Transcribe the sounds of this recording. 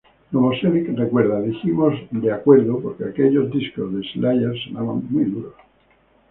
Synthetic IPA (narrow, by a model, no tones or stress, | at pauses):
komoseβikrekweɾðaðiθimozd̪eakwe̞ɾðopoɾkeakeʎo̞zd̪iskozðeslajeɾsonaβa̰ŋmujðuɾos